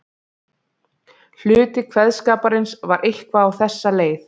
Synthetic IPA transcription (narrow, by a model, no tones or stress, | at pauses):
l̥ʏːt̪ɪkʰvɛðskaːpaɾɪnsvaɾʔejhkvaːwθɛsːaleːjθ